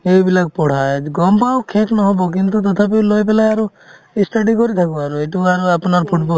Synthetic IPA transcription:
ebilaɡ̚pɔɽ̤ajɡɔmpawkʰeknɔɦɔbok̬int̪ut̪̬ɔt̪ʰap̬elojp̬elajaɾu | isʈaɖikɔɾit̪ʰakuaɾueʈuaɾuapnaɾpʰuʈbɔ

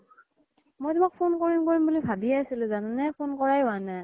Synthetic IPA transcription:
mojt̪imak̚pʰonkoɹimkoɹimbulibʱabiasilɯzanɯnɛpʰonkɔɹajana

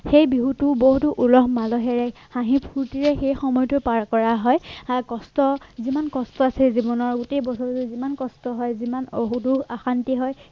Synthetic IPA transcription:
xejbiɦutuboɦutuʔulɔɦmalɔɦɛɹɛhãɦipʰːuɹtiɹɛxejxɔmɔjɔtʊpaɹkɔɹaɦɔjakɔstɔzimankɔstɔasɛzibɔnɔɹɡutejbɔsʰɔɹtʊzimankɔstɔɦɔjzimanoɦuduaxantiɦɔj

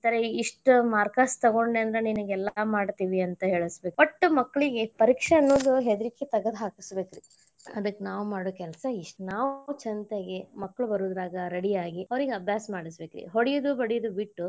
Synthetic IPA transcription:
t̪ɐɾeiʂʈumaːɾkaːst̪ɐɡo̞ɳɖeɐnd̪ɾeniniɡɛlːɐmaːɖt̪iːʋiɐnt̪ɐɦe̞ːɭisbekʋɐʈːumɐkːɐɭiɡe̞pɐɾiːkʂeɐnːoːd̪uɦed̪ɾikːet̪ɐɡɐd̪ɦaːkisbeːkɾḭ | ɐd̪ɐkːenaːʋumaːɽuːkɛlɐsɐiʂʈnaːʋut͡ʃɐnt̪eɡemɐkːɐɭubɐɾuːd̪ɾaːɡɐɾeɽijaːɡiɐʋɐɾiɡeɐbʱjaːsɐmaːɽisbeːkɾḭɦoɽijɐd̪ubɐɽijɐd̪ubiʈːu

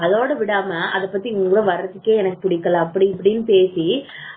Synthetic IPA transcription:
ɐloːɽɐʋɪɽaːmɐʔɐðɐpːɐt̪ːiʊŋɡɯɽoːʋɐɾɐt̪ːɯkːeːɛnɐkːɯpʊɽɪkːɐlãːɐpːɐɽiɪpːɐɽɪnːɯpeːsi

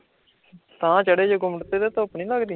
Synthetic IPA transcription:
t̪ãːt͡ʃəɽeːd͡ʒoːɡʊmɽt̪eːd̪eːt̪ãʊpnĩːləɡd̪i

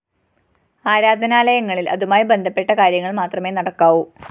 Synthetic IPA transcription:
aːɾaːd̪ʱɐnaːlɐjɐŋːɐɭilʔɐ̰ðumaːjibe̞nd̪ʱɐpːe̞ʈːɐkaːɾjɐŋːɐɭmaːt̪rɐme̞nɐɽɐkːaːʋu

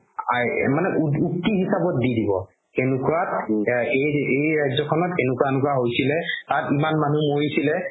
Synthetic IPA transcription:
amanɛʔuutːiɦisabɔtdidibɔ̰ | enukuɹateejɹajzɔkʰɔnɔtenʊkwanʊkuaɦojsilɛtatimanmanumoɹisilɛ

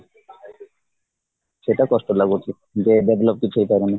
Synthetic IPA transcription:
ʃeʈakɔʃʈolaɡot̪ʰi | d͡ʑeɖebʱlop̚kit͡ɕʰuejp̪aɾeni

